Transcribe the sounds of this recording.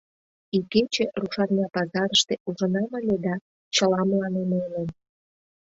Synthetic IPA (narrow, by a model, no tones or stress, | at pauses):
iket͡ɕĕruʃɑrnʲɑpɑzɑɾəʃt̪eʔuʒə̆nɑməlʲed̪ɑ | t͡ɕəlɑmlɑnemenem